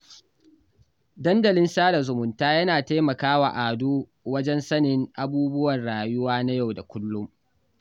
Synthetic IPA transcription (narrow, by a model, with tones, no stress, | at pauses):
dɐ˦ndɐ˨lɪ˦nsaː˦da˨zʊ˨mʊ˨ntaː˦jɐ˦naː˨ta˦mɐ˨kaː˦wa̰˨ʔaː˨duː˦ | wɐ˦d͡ʒɛ˦nsɐ˦nɪ˦ŋʔa˦buː˦bʊ˦wɐ˨nɽaː˨jʊ˦waː˦na˦ja˦˨wda˨kʷʊ˦lːʊ˦m